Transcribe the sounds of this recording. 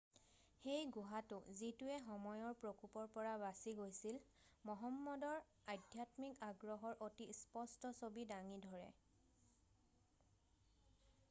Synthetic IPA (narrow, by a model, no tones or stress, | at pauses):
xejɡʊɦatʊzituɛxɔmɔjɔɹpɹokupɔɹpɔɹabasiɡojsil | mɔɦɔmːɔdɔɹ | adʱjatmikaɡɹɔɦɔɹʔotispɔstɔsobidaŋidʱɔɹɛ̰